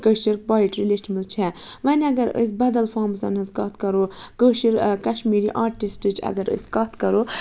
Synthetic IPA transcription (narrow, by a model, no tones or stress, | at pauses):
kəʃiɾk̚baːiʈɾileʃiməzt͡ʃʰɛʋɐnʲɐɡɐɾə̰s̬ʲbɐd̪ɐlfaːmsɐnɨskɐt̪ʰkɐɾokəʃiɾkɐʃmiːɾiʔaːɾʈisʈɨt͡ʃʰɐ̰ɡɐɾə̰sʲkɐt̪ʰkɐɾo